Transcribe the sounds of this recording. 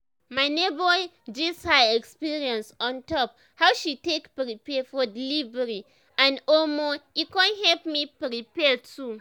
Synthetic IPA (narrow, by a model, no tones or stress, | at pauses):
maɪnebɔ | d͡ʒishaɛkspiɹiɔ̃nsɔ̃ntɔp̚ | hawʃitekpɹipɛfɔdilivɛɹi | ãnɔlmɔikɔ̃nɦɛlpmipɹipɛtʰu